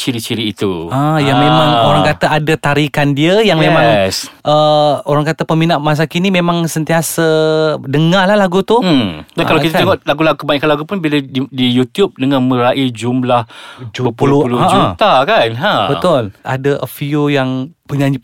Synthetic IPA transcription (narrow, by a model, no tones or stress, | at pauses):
t͡ʃiɾit͡ʃiɾiːt̪uajaŋmemãŋoɾaŋkat̪aʔadat̪aɾikandiəjaŋmemãŋsʔəoɾaŋkat̪apəminaʔmas̬akinimemãŋsənt̪iasədəŋalahlaɡut̪udankalawkit̪at̪eŋɔʔlaɡulaɡukəbaiʔkanlaɡupʊnbilaidijut̪jup̚dəŋãnmə̃ɾaʔid͡ʒumlahd͡ʒpəpulupuluãd͡ʒut̪akanabət̪ʊlʔa̰daʔəfiojaŋpuɲã